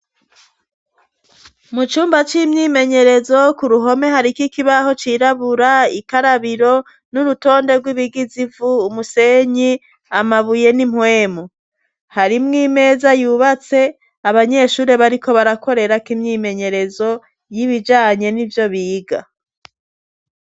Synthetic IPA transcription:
mut͡ʃuːmbat͡ʃimɲiːme̞ɲe̞ɾe̞zo̞kuɾuɦo̞me̞ɦaɾikikiβaho̞t͡ʃiɾaβuɾaikaɾaβiɾo̞ | nuɾuto̞ːnde̞ɾɡwiβiɡizivuːmuse̞ɲi | amaβuje̞nimhwe̞ːmo | haɾimŋiːme̞ːzajuβat͡se̞ | aβaɲe̞ʃuːɾe̞βaɾikʰo̞βaɾako̞ɾe̞ɾakimɲiːme̞ɲe̞ɾe̞zo̞ | jiβid͡ʒaːɲe̞nivjo̞βiːɡa

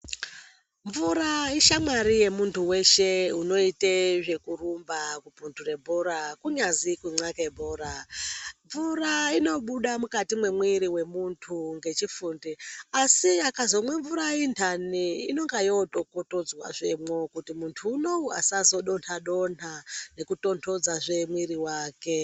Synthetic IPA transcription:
ɱvuɾaiʃamaɾije̞muntʰuwe̞ʃe̞uno̞iteʐe̞kurumbakupuntʰure̞bʱoɾakuɲazikwiŋ͡ǀakebʱoɾaɱvuraino̞ɓuɗamukatimwe̞mwiɾiwe̞muntʰuŋɡe̞t͡ʃifundiasiakazomwe̞ɱvuɾaintʰaniːno̞ŋɡajo̞tokoto̞d͡zwa̰ʐemo̞kutimuntʰuːno̞a̰sazo̞ɗo̞ntʰaɗo̞n̤ane̞kuto̞ntʰo̞d͡zaʐe̞mwiɾiwaːke̞

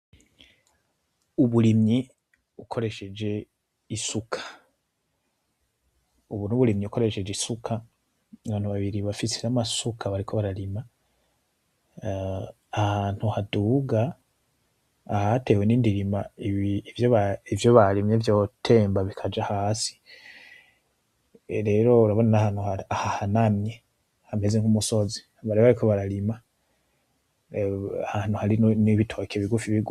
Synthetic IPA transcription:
uβuɾimɲi | ukʰo̞ɾe̞ʃe̞d͡ʒe̞ | isukʰḁ | uβunuβuɾimɲiuko̞ɾe̞ʃe̞d͡ʒeisukʰa | βaːnuβaβiɾiβafisiɾamasukʰaβaɾikʰoβaɾaɾima | haːn̥huhaduːɡa | hate̞we̞niːndiɾimaiβvjoβaivjoβalimɲevjo̞tʰe̞ːmbaβikʰad͡ʒahaːsi̥ | ɾe̞ːɾo̞uɾaβo̞nanahanhuaahahanamɲe̞ | hame̞zeŋumuso̞zi̥ | aβaɾeβaɾikʰo̞βaɾaɾima | ahaːn̥huhaɾinniβitʰokeβiɡufiβiɡu

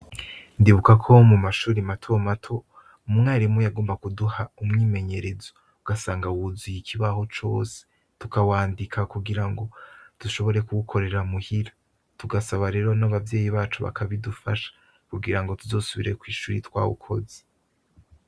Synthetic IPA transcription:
ndiβukakʰo̞mumaʃuːɾimatʰomatʰo̞ | umumŋaːɾimujaɡoːmbakuduhaumŋiːme̞ɲe̞ɾe̞zo̞ | uɡasaːŋɡawuzujikʰiβaho̞t͡ʃo̞̰ːse̥ | tukawaːndikʰakuɡiɾaŋɡo̞d̥uʃo̞βo̞ɾe̞kuɡukʰo̞ɾe̞ɾamuhiɾa | tuɡasaβaɾe̞ːɾo̞naβavje̞ːjiβaːt͡ʃuβa̰kʰaβidufaʃḁ | kuɡiɾaŋɡo̞tuzo̞ːsuβiɾe̞kwiːʃuːɾitwa̰ːwṵkʰo̞̰ze̥

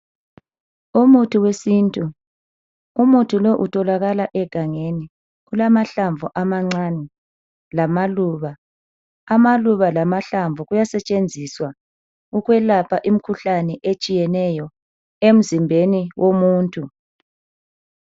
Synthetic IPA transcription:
umutʰuwesintʼu | umutʰuloʔutʰʼɔlaɣalaʔɛɡ̥ʱaŋeni | ɣulamaɬaɱvʱuʔamaŋ͡ǀanɛ | lamaluːβaː | maluβalamaɬaɱvʱuɣujasɛt͡ʃʼend͡zʱiswa | uɣwɛlapʰaʔim̩kʰuɬanɛʔet͡ʃʼijɛnɛjɔ | em̩zimbʱeniwʔomuːntʼu

